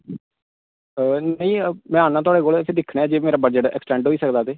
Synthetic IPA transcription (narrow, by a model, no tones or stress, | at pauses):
nəĩːmɛ̃aːnãt̪ʊaːɽeːkoːlt̪ʰeːd̪ɪkʰːɽeːaːd͡ʒeːmeːɾaːbəd͡ʒəʈɛ̰ksʈɛ̃ːɳɖɦoːiːsəkd̪aːt̪eː